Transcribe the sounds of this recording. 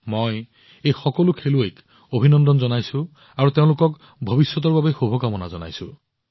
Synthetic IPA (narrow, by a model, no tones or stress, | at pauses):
moj | ejxɔkɔlukʰeluek | obʱinɔnd̪ɔnzɔnajsũ | aɹut̪eʊ̃lokɔk | bʱɔbisjɔt̪̬ɔɹbabexubʱɔkamɔna̰zɔna̰jsṵ̃